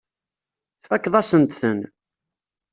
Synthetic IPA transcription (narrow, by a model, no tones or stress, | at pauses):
θækːðˤɑsənt̪θən